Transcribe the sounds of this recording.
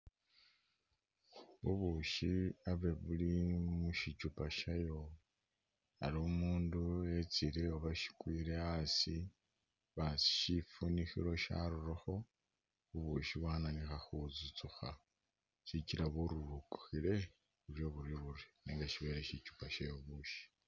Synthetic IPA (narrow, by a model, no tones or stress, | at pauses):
βuβuʃiaβe̞βulimuʃit͡ʃupaʃajo̞ | a̰ɾiomuːnduet͡siɾeoβaʃi̥kwiːɾe̞asi | βasi̥ʃifunixḭɾo̞ʃa̰ɾuɾoxo̞ | βuβuʃiβwaːnanixaxuzut͡suxa | ʃiciɾaβoɾuɾuku̥xiɾe̞ | βuɾjo̞βuɾjoβuɾiniːŋɡaʃiβe̞ːɾeʃit͡ʃu̥paʃajoβuːʃi̥